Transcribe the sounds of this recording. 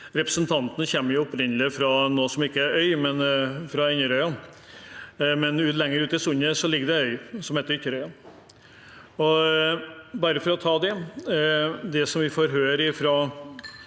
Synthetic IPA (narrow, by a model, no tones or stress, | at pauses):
ɾɛpɾəsənt̪ʰɑnt̪ənəçɛmːəɾjʊʊpɾɪnːəlɪəfɾɑnoːsɔmɪkːəæɾœʏmɛnfɾɑɪnːəɾœʏɑn | mɛnʉːt̪lɛŋːəɾʉːt̪ɪsʊɲːəsɔlɪɡəɖɛœʏsɔmheːt̪əɾʏçːəɾœʏɑn | ɔ | bɑɾəfɔɾɔt̪ʰɑːd̪ɛ | d̪ɛsɔmʋɪfoːɾɦøːɾɪfɾɑ